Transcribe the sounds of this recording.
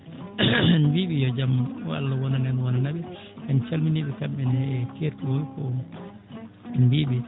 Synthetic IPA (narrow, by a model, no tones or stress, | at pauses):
nbiɓijɔd͡ʒamwa̰lːawɔnanɛnwɔnanaɓi | ʔant͡ʃalminiɓikamɓɛnɛkeɾtuwokɔ | nbiɓi